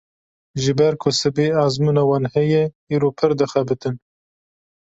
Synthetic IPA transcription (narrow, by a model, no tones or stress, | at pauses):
ʒɨbɛɾkʰʊsɨbeːɑːzmuːnɑwɑːnhɛjɛ | iːɾoːpʰɨɾd̪ɨxɛbɨt̪ɨn